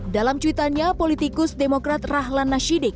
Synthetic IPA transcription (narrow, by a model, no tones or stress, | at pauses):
dalamt͡ʃuit̪aɲapolit̪ikʊsdemokɾat̪raɦlanːaʃidɪk̚